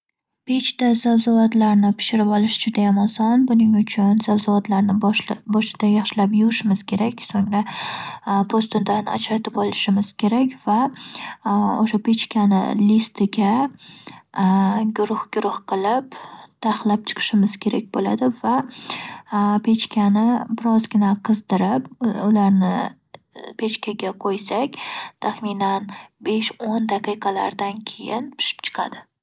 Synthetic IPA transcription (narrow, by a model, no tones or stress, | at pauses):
pʰe̞t͡ʃt̪azawzavat̪laɾnɪpʰɪ̥ʃɪɾɪpɒlˠɪʃɪd͡ʒʊd̪ajamɒsɒnbʊnɪŋʊt͡ʃʰʊnz̥avzavat̪laɾnɪbɒʃɪd̪̥ajɑχʃɪlapjʊɾɪʃɪmɪz̥kʲʰe̞ɾakʲsoŋɾa | pʰost̪ɪd̪ana̰t͡ʃɾat̪ʰɪpɒlˠɪʃɪmɪz̥kʲʰe̞ɾakʲva | o̰ʃape̞t͡ʃkʲʰanɪ̰list̪ʰɪɡʲa | ɡʊɾʊhɡʲʊɾʊhqɨlˠɪpt̪ʰaχlˠap̚t͡ʃʰɨ̥qʰɨ̥ʃɪmɪz̥kʲʰe̞ɾak̚ʲbola̰d̪ɪva | pʰe̞t͡ʃkʲanɪbɪɾɒzɡʲɪnaqʰɨzd̪ɪɾɪpʊlaɾnɪ | pʰe̞t͡ʃkʲʰaɡʲaqʰojsakʲt̪ʰaχminanbe̞ʃond̪ɑqɨjqʰɑla̰ɾd̪ankʲʰe̞jɪnpʰɪ̥ʃɪ̥pt͡ʃʰɨ̥qʰɑ̰d̪ɪ